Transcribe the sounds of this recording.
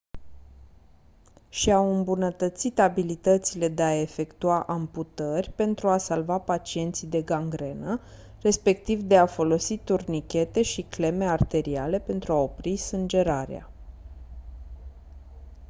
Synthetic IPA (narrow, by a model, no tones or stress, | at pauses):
ʃiawɨmbunət̪ət̪sit̪abilit̪ət̪sile̞d̪e̞ae̞fe̞kt̪uaʔamput̪ərʲpe̞nt̪ɾuasalvapat͡ʃie̞nt̪sijd̪e̞ɡaŋɡɾe̞nə | re̞spe̞k̚t̪ivd̪e̞afo̞lo̞sit̪urnikʲe̞t̪e̞ʃikle̞me̞art̪e̞ɾiale̞pe̞nt̪ɾuao̞pɾisɨnd͡ʒe̞ɾaɾea̰